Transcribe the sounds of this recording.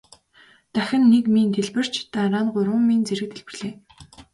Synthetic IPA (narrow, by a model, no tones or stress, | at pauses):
t̪æxʲɪ̆nːekmint̪ʰeɮpɘ̆r̥t͡ɕt̪aɾaːnɢʊɾwə̆mmint͡seɾɘ̆k̚t̪ʰeɮpɘ̆rɮeː